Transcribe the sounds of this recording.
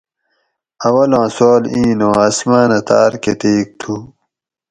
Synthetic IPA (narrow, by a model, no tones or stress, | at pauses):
ɐwɐlãːsoːlĩːnõːasmaːnɐt̪aːɾket̪eːk̚t̪ʰu